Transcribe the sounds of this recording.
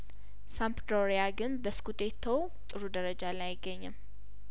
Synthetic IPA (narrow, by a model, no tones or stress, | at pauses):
sampd̪oɾijaɡɨnbəskut̪ʼe̞t̪ʰːəw | t̪ʼɨɾud̪əɾəd͡ʒalajɪɡːəɲːɨm